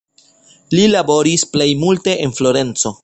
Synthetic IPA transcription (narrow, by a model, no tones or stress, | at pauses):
lilabo̞ɾisple̞jmulte̞ʔenflo̞ɾe̞nt͡so̞